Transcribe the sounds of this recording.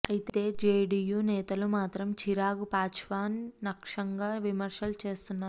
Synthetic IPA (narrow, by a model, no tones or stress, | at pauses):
ɐjit̪e̞ːd͡ʒeːɖiːjuːnɛːt̪ɐlumaːt̪ɾɐmt͡ʃʰiɾaːɡupaːt͡ʃʋaːnːɐkʂɐŋɡaːʋimɐɾʂɐlut͡ʃe̞ːst̪unːaːɾu